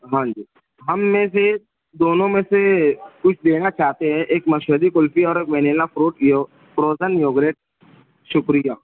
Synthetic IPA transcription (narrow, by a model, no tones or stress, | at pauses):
ɦãːɲd͡ʒiː | ɦɐmːẽse | d̪oːnõmẽsekʊt͡ʃʰd̪eːnat͡ʃaːɦt̪eɦɛ̃ʔeːkmɐʃɦəd̪ikʊlfiɔːɾeːkʋɛːneːlapɾuːʈj | pɾoːzənjoːɡɾeːʈ̚ | ʃʊkɾijaː